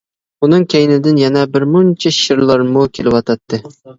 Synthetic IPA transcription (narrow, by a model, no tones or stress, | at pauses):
unɨŋkʲʰæjnɪd̪ɪnjɛnɛbɪɾmunt͡ʃʰɛʃɪɾlˠɑɾmukʲʰelɪwɑt̪ʰɑt̪ʰːɨ